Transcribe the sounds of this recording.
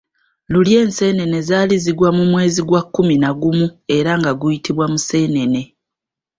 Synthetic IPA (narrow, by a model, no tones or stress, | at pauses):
lulje̞ːnse̞ːne̞ne̞zaːliziɡwamumwe̞ːziɡwakːuminaɡumue̞ɾaŋɡaɡujitʰiβwamuse̞ːne̞ne̞